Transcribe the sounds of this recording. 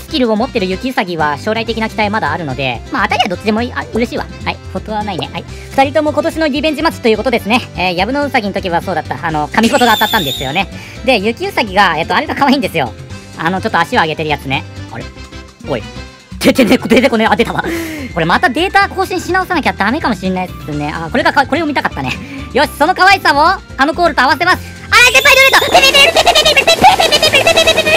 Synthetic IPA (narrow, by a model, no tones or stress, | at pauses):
sɨ̥kʲiɾɯ̟o̞mo̞t̪ːe̞ɾɯ̟jɯ̟kʲiɯ̟saɡʲiβaɕo̞ːɾait̪e̞kʲinakʲi̥t̪aimad̪aːɾɯ̟no̞d̪e̞̰maːt̪aɾʲiad̪ot͡ɕid̪e̞mo̞iaɯ̟ɾe̞ɕiːβa̰haipot̪oβanainẽhai | ɸɯ̟t̪aɾʲit̪o̞mo̞ko̞t̪o̞ɕino̞ɾʲibẽ̞ɲd͡ʑimat͡sɨ̥t̪ːojɯ̟ko̞t̪o̞d̪e̞sɨne̞eːjabɯ̟no̞ɯsaɡʲinot̪o̞kʲiβaso̞ːd̪at̪ːaano̞kamʲipo̞t̪o̞ɡaːt̪at̪ːãnd̪e̞sɨjo̞ne̞ | d̪e̞jɯ̟kʲiɯ̟saɡʲiɡae̞t̪ːoaɾe̞ɡakaβaĩnd̪e̞sɨjo̞̰ | ano̞t͡ɕo̞t̪ːoaɕioaɡe̞t̪e̞ɾɯjat͡sɨne̞o̰ɾe | ɡoḭ | t̪et̪enekt̪et̪ekoneaet̪aβako̞ɾe̞mat̪ad̪e̞ːt̪ako̞ːɕĩɕinaosanakʲad̪ame̞kamo̞ɕiɾnːaisneʔakoɾe̞ɡakako̞ɾe̞omit̪akat̪ːane̞̰ | jo̞ɕi̥so̞no̞kaβaisao | ano̞ko̞ːɾɯt̪oaβaset̪emasɨ̥ | aze̞mpːaid̪eɯɾet̪oet̪et̪eeeeeeeeeeeet̪eee